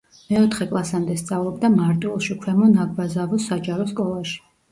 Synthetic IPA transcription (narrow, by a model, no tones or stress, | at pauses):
mɛɔt̪ʰχɛkʼlˠasamd̪ɛst̪sʼavlˠɔbd̪amaɾt̪ʼulˠʃikʰwɛmɔnaɡvazavɔsad͡ʒaɾɔskʼɔlˠaʃi̥